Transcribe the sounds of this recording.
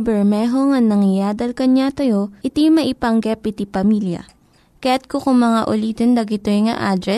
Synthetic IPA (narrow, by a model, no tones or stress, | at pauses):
bɛɹmɛːɦoŋɐŋnɐŋɪjaːd̪ɐlkɐɲat̪ɐjo̞ʔɪt̪imɐʔɪpɐŋɡɛpɪt̪ipɐmiːljɐ̰ | kɐjat̪̚kokʊŋmɐŋaʔʊliːt̪ond̪ɐɡɪt̪oŋɐ̰ʔaːd̪ɾɛ